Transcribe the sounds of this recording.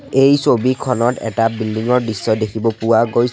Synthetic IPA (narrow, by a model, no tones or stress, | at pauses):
ejsobikʰɔnɔtɛ̰tabildiŋɔɹdisːɔdekʰibɔpʊwaɡoj